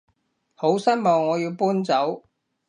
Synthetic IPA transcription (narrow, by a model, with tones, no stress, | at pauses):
ho˨˥wsɐ˥nmɔː˨ŋːɔː˨˧jiː˧wpuː˥nt͡sɐ˨˥w